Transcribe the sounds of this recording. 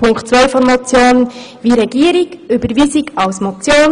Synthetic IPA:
pʰʊŋktt͡sʋɛɪfɔnmɔt͡sjoːnʋiɾɛɡ̥iːəɾiɡʏbəɾʋiːsiɡɑwsmot͡sjoːn

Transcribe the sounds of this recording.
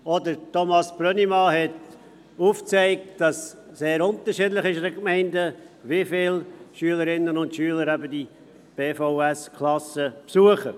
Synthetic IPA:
ɔdəɾtomɑsb̥ɾœnimɑhɛt | uːft͡sɛɪk̚td̥ɑsː | eːɾʊntəɾʃidlɪχɪʃdəkmɛɪndəvifɪlʃyələɾɪnːənʊntʃyːləɾæbədi | b̥eːfoʊæskʰlɑsəpsuəχə

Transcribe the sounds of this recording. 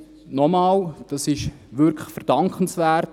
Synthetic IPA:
nɔmɑːld̥ɑsɪʃ | ʋʏɾkʰlə̥fəɾd̥ɑŋkχən̩sʋæːɾt

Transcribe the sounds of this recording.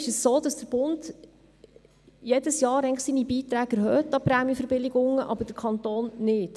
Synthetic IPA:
ɪʃəsːoːdɑsd̥əɾb̥ʊnd | jɛdəsjɑːɾɛɪŋləχsiːnibiːt̪ɾæːɡ̥ɛɾhœːtːɑpɾæːmjəfəɾbɪlɪɡʊŋəʔɑ̰bəɾd̥əɾkʰχɑnt̪oːnnɪt

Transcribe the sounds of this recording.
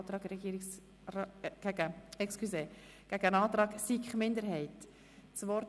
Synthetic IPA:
t̪ɾɑːɡɾɛɡiːɾɪks | ɡ̥æɡəɛkskʰyseː | ɡ̥æɡ̥əənɑːt̪ɾɑːɡsikχmɪndəɾɦɛɪt | t͡svɔɾ

